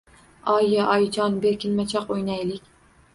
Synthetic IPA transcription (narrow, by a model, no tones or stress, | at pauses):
ɒjaʔɒjd͡ʒɒnbeɾkʲɪnmat͡ʃʰɒqojnajlɪkʲ